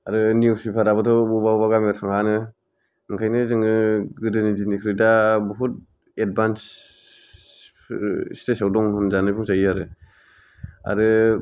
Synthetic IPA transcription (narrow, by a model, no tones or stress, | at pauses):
aɾɯniusipʰaɾabɯtʰɔbubawbaɡamtʰaŋanɯ | ɯŋkʰajnɯzɯŋɯɡɯdɯnizinikʰɾidabɔɦut̚ | ed̚bans | stesawdɔŋɯnzanɯpʰuŋsajiaɾɯ | a̰ɾɯ